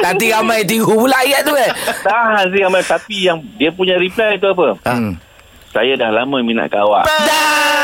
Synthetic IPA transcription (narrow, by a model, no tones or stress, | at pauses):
lant̪iɣamãjt̪̬iɡupulaajaʔt̪uat̪aɦans̬iɣamãjt̪apijaŋdiəpuɲãɾiplajt̪uap̬ə | sajadahlamãmina̰ʔkawa̰ʔda